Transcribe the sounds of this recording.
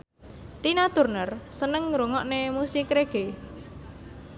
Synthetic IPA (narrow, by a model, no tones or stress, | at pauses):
t̪inat̪ṳrnərsənəŋɾoŋɔʔnemusɪkɾeɡ̥e